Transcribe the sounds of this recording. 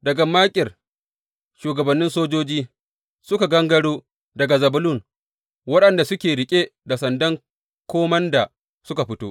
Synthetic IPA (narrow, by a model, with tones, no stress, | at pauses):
dɐ˨ɡɐ˨maː˦kʲʼɪ˨r | ʃuː˨ɡɐ˨bɐ˨nːɪ˦nsoː˦d͡ʒoː˦d͡ʒiː˦ | sʊ˦ka˨ɡɐ˦ŋɡɐ˦ɽoː˦ | dɐ˨ɡa˨zɐ˨bʊ˦lu˦˨n | wɐ˦ɗɐ˨nda˨sʊ˦kʲeː˨ɽɪ˨kʲʼe˦da˨sɐ˨ndɐ˦ŋ | kʷoː˦mɐ˦nda˨ | sʊ˦ka˨ɸɪ˦toː˦